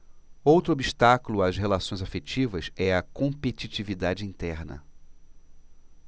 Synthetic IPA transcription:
owt̪ɾʊobiʃt̪akulʊasɦelasõj̃zafet͡ʃivɐsɛɐkõpet͡ʃit͡ʃivid̪ad͡ʒɪĩnt̪ɛɾnɐ̰

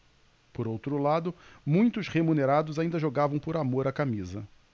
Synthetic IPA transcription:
poɾowt̪ɾʊlad̪ʊmũj̃t̪ʊshemuneɾad̪ʊzaĩnd̪ɐʒoɡavɐ̃w̃poɾamoɾakamizɐ

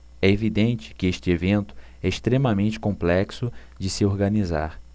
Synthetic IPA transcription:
ɛevid̪ẽnt͡ʃɪ̥kɪeʃt͡ʃɪevẽnt̪ʊ̥ | ɛɪʃt̪ɾemɐmẽnt͡ʃɪ̥kõplɛksʊ | d͡ʒɪsɪoɾɡɐniza̰ɾ

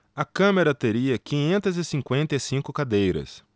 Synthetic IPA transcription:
ɐkɐ̃meɾɐt̪eɾiɐkĩɲẽnt̪ɐzɪsĩŋkwẽnt̪ɐisĩŋkʊkad̪ejɾɐ̰s

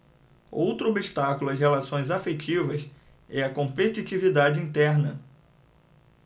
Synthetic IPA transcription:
owt̪ɾʊobiʃt̪akulʊɐshelasõj̃zafet͡ʃivɐs | ɛɐkõmpet͡ʃit͡ʃivid̪ad͡ʒɪĩnt̪ɛɾnɐ

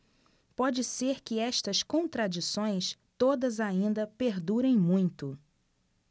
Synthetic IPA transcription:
pɔd͡ʒɪseɾkɪɛst̪ɐskõnt̪ɾad͡ʒisõj̃st̪od̪ɐzaĩnd̪ɐpeɾd̪uɾẽj̃mũj̃t̪ʊ

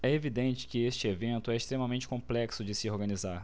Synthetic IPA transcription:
ɛevid̪ẽnt͡ʃɪ̥kɪest͡ʃɪevẽnt̪ʊɛɪʃt̪ɾẽmɐmẽnt͡ʃɪ̥kõmplɛksʊd͡ʒɪsɪoɾɡɐ̃nizaɾ

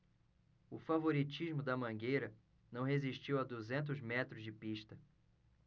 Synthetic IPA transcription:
ʊfavoɾit͡ʃiʒmʊd̪ɐmɐ̃ɡejɾɐ | nɐ̃w̃ɦeziʃt͡ʃiwɐd̪uzẽnt̪̬ʊzmɛt̪ɾʊzd͡ʒɪpiʃt̪ɐ

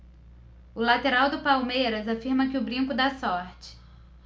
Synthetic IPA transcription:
ʊlat̪eɾawd̪ʊpawmejɾɐzafiɾmɐkɪʊbɾĩŋkʊd̪asɔɾt͡ʃɪ̥

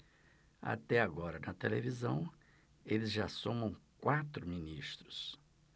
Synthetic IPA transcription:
a̰t̪ɛaɡɔɾɐnɐt̪elevizɐ̃w̃ | elɪzʒasõmɐ̃w̃kwat̪ɾʊminist̪ɾʊs

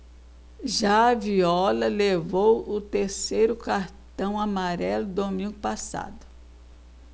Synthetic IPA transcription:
ʒaɐviɔlɐlevowʊt̪eɾsejɾʊkaɾt̪ɐ̃w̃amaɾɛlʊd̪omĩŋɡʊpasa̰d̪ʊ

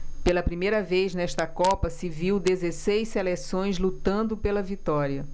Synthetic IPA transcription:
pelɐpɾimejɾɐvejznɛʃt̪ɐkɔpɐsiviwd̪ezesejsselesõj̃zlut̪ɐ̃nd̪ʊpelɐvit̪ɔɾiɐ

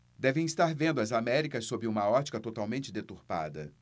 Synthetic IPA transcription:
d̪ɛvẽj̃ist̪aɾvẽnd̪ʊɐzamɛɾikɐsːobɾɪũmɐɔt͡ʃi̥kɐt̪ot̪awmẽnt͡ʃɪd̪et̪uɾpa̰d̪ɐ̰

